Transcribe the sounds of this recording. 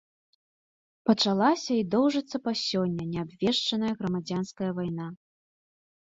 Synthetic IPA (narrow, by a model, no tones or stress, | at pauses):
pɐt͡ʂalˠasʲɐid̪ɔwʐɨt̪sːɐpasʲɔnʲːɐnʲɛabvʲɛʂt͡ʂɐnɐjɐɣɾɐmad͡zʲanskɐjɐvajna